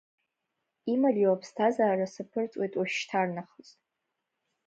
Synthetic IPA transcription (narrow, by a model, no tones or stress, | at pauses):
imaliwapʰstʰazaːrasapʰɨrt͡sʼwejtʼwaʃtʰarnaχəztʼ